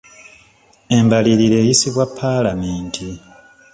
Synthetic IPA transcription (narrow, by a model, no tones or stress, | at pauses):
e̞mbaliɾiɾe̞ːjisiβwapʰːaːlameːntʰi